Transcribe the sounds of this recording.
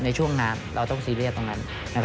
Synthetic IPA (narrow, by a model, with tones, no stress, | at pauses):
na˧jt͡ɕʰu˥˩əŋːaː˧nɾa̰˧wt̪ɔ˥˩ŋsiː˧li˥˩ət̪ːo˧ŋːa˧˥n | na˧˥˩k